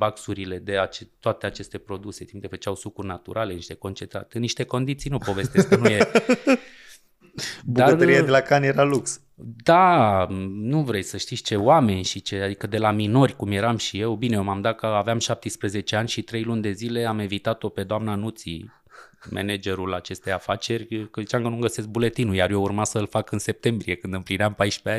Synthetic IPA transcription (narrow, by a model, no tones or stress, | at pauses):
baksuɾile̞d̪e̞at͡ʃet̪ːoat̪e̞at͡ʃe̞st̪e̞pɾo̞d̪use̞t̪impkefət͡ʃawsukurnat̪ṵɾʔale̞niʃt̪e̞ko̞nt͡ʃent̪ɾa̰t̪ɨniʃt̪e̞ko̞nd̪it̪sijnupo̞ve̞st̪eskənuje | buaərt̪əɾiad̪elakanjeɾaluks | d̪a | nuvɾejsəʃt̪it̪sʲt͡ʃe̞wame̞nʲʃit͡ʃe̞ad̪ikəd̪e̞lamino̞rʲkumje̞ɾamʃije̞wbine̞omamd̪at̪̚kəaveamʃap̚t̪ispɾəze̞t͡ʃe̞anʲʃit̪ɾe̞jlunʲd̪e̞zile̞amevit̪at̪o̞pe̞d̪oamnanut̪sḭ | mḛned͡ʒe̞ɾulat͡ʃe̞st̪ejafat͡ʃe̞rʲkəzit͡ʃamkənumɡəse̞s̬k̚bule̞t̪inujarje̞urmasəɨlfakɨnse̞p̚t̪e̞mbɾie̞kɨnd̪ɨmplineampajʃpeanʲ